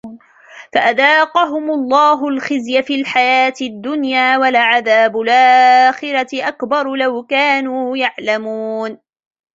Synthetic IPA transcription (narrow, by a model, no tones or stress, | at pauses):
faʔaðɑːqɑɦʊmʊlˤːɑːɦʊlxɪzjafiːlħajaːt̪ɪd̪ːʊnjaːwalʕaðaːbʊlʔaːxɪɾɑɪʔakbɑɾˤlawkaːnuːjaʕlamuːn